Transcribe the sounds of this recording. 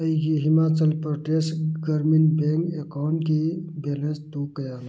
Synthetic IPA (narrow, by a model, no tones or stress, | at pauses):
əiɡiɦimat͡ʃəlpɾoʈesʈɡəɾminbẽŋkekaʊɳʈkibelẽnst̪ukəjan